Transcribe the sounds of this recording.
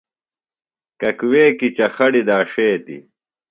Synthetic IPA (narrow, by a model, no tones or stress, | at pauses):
kɐkweːkit͡ɕɐxɐɽid̪aːʂeːt̪ḭ